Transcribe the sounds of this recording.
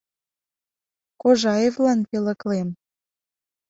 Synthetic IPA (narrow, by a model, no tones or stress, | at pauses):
koʒɑevlɑnpelə̆klem